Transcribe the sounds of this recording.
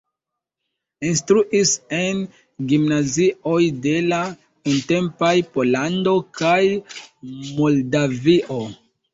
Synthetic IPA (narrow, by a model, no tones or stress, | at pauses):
instɾuʔise̞n | ɡimnazio̞jde̞la | unte̞mpajpo̞lando̞kaj | mo̞ldaviʔo̞